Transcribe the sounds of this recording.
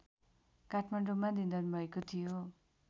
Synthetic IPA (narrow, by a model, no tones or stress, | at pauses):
kaʈʰmaɳɖomãd̪ind̪ʌnubʱʌekot̪ʰijo